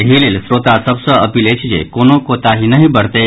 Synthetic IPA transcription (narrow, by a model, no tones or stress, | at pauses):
ɦilelsɾot̪asəbsəəpilet͡ɕid͡ʑḛkonokot̪aɦinəɦibəɽt̪e